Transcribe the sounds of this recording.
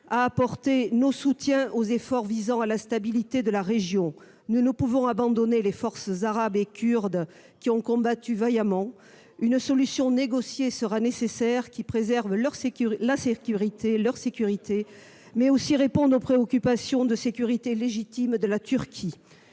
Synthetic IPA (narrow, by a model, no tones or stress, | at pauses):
aːpɔʁt̪enosut̪jɛ̃ʔozefɔʁvizɑ̃alast̪abilit̪ed̪əlaʁeʒjɔ̃ | nunupuvɔ̃abɑ̃d̪ɔnelefɔʁsəzaʁabekʲʰyʁd̪ | kʲiɔ̃kɔ̃bat̪yvajamɑ̃ | ynsɔlysjɔ̃neɡɔsjesəʁanesesɛʁkʲipχezɛʁvlœʁslasekʲyʁit̪ʰelœʁsekʲyʁit̪ʰe | mɛosiʁepɔ̃d̪ʁopχeɔkʲypasjɔ̃d̪əsekʲyʁit̪eleʒit̪imd̪əlat̪yʁkʲʰi